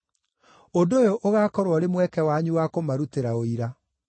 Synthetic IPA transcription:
odojoʔoɣaːkɔɾwɔɾemwɛkɛwaɲuwakomaɾuteɾaoiɾa

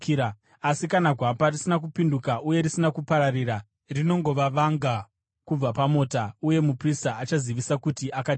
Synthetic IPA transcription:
asikanaɡʱwaparisinak̬upindukaʔuje̞ɾisinakupaɾariɾa | rino̞ŋɡo̞ʋaʋaŋɡa | kub͡vapamoːtauje̞mupristaːt͡ʃaziʋisakutiʔaka

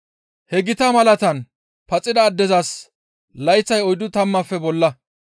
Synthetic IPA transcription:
hɛɡɪt̪ɐmɐlɐt̪ɐn | pɐt͡sʼːɪd̪ɐːd̪ːɛzɐs | lɐjt͡sːɐjɔjd̪ʊt̪ɐmːɐfːɛbɔlːɐ

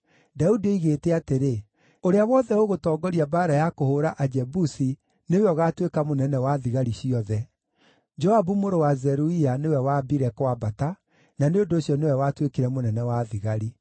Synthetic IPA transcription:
daudiiɣeteateɾe | oɾeawɔðɛoɣotɔːɡɔɾiabaːɾajakohoɾaʔad͡ʒɛbusi | neweɔɣatwekamonɛnɛwaðiɣaɾiɕiɔðɛ | d͡ʒɔabumoɾowazɛɾuianewɛwaːbiɾɛkwabata | naneondooɕjɔnewɛwaːtwekiɾɛmonɛnɛwaðiɣaɾi

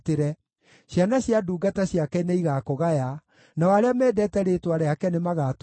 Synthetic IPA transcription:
teɾɛ | ɕjanaɕjaduːɡataɕjakɛneiɣaːkoɣaja | naɔaɾeamɛːdɛtɛɾetwaɾeakɛnemaɣaːt

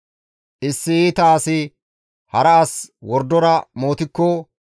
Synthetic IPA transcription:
ʔɪsːɪiːt̪aːsɪ | hɐɾɐːswɔɾd̪ɔɾɐmo̞ːt̪ɪkːɔ

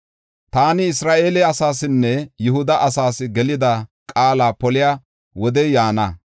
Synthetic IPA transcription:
t̪aːnɪɪsɾaːʔe̞ːlɛɐsaːsɪnːɛjʊhʊd̪ɐʔɐsaːsɪɡɛlɪd̪ɐkʼaːlaːpɔlɪja | wɔd̪ɛjaːnɐ

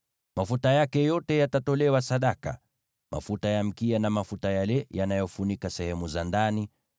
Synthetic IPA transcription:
mafutajakɛjɔtɛjatatɔlɛwasaɗaka̰ | mʔa̰futajam̩kianamafutajalɛjanajɔfunikasɛhɛmuzandani

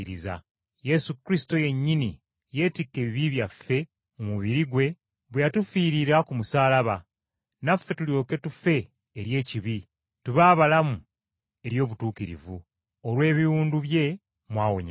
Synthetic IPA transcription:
ɾiza̰ | je̞sukɾis̬i̥to̞je̞ɲːini | je̞ːtikːe̞ːβiβiβjafːe̞ | omuβiɾiɡwe̞ | βwejatufiːɾiɾakumusaːlaβa | nafːe̞tuljo̞ːke̞tufe̞ː | ɾje̞ːciβi | tuβaːβalamu | e̞ɾjo̞ːβutuːkiɾḭvu | olwe̞ːβiwuːnduβje̞ | mwaːwoɲa

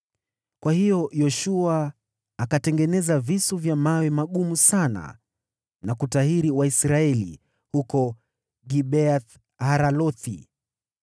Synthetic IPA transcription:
kwahijɔjɔʃuaː | katɛŋɡɛnɛzavisuvjamawɛmaɠumusana̰ | nakutaɦiɾiwaisɾaɛlḭ | hukɔ | ɡiɓɛaθ | haɾalɔθḭ

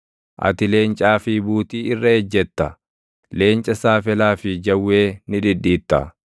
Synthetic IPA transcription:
ʔɐ̰t̪ɪle̞ːnt͡ʃʼaːfibuːt̪iːɪrːɐɛd͡ʒːɛt̪ːɐ | le̞ːnt͡ʃʼɐsaːfɛlaːfɪd͡ʒɐwːeːnɪᶑɪɗːiːt̪ːɐ̰

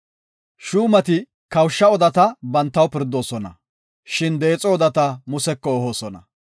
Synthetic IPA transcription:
ʃuːmɐt̪ɪ | kɐwʃːɐɔd̪ɐt̪ɐbɐnt̪ːɐwpɪɾd̪o̞ːsɔnɐ̰ | ʃɪnd̪e̞ːt͡sʼɔɔd̪ɐt̪ɐmʊsɛkːɔːɦoːsɔnɐ

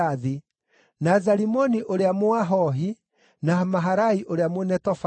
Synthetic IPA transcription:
aði | nazaɾimɔniʔoɾeamoaɦɔɦi | namaɦaɾaiʔoɾeamwonɛtɔfa

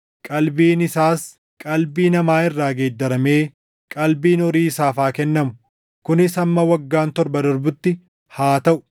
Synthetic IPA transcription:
kʼɐlbiːnɪsaːs | kʼɐlbiːnɐmaːɪrːaːɡeːd̪ːɐɾɐmeː | kʼɐlbiːnɔɾiːɪsaːfaːkɛnːɐmʊ | kʊnɪsɐmːɐwɐɡːaːnt̪ɔɾbɐd̪ɔɾbʊt̪ːɪ | haːt̪ɐʔʊ̥

